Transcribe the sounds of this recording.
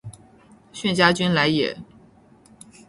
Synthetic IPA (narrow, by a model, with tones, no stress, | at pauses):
ɕɥɛ˥˩nt͡ɕja˥t͡ɕy˥nla˧˥ɪjɛ̰˨˩˦